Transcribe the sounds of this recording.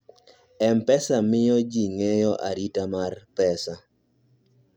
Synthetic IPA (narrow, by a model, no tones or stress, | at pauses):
ɛmpɛsamɪjɔd͡ʒiŋɛjɔʔa̰ɾitamarpɛsa